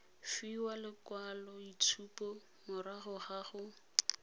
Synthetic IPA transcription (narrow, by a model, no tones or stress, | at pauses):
fiwalɪkwalɔit͡sʰupɔ | mʊɾaɣʊχaɣʊ